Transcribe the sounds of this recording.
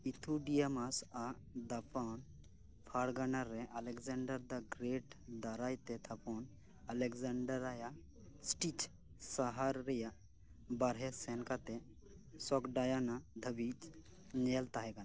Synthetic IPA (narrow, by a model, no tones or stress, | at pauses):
it̪ʰuɖijamasa | d̪apan | pʰaɽɡanaɾːɛʔɐlɛkzaɳɖəɾd̪aɡɾeʈd̪aɾajt̪ɛt̪ʰapɔn | alɛkzaɳɖəɾaja | sʈit͡ʃ | saɦaɾːɛja | baɾɦɛsɛnkat̪ɛ | sɔkɖajanad̪ʱəbit͡ʃ | nelt̪aɦɛɡan